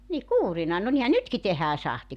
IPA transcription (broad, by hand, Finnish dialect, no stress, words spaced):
ni kuːrinɑ no nihæ nytki tehæː sɑhti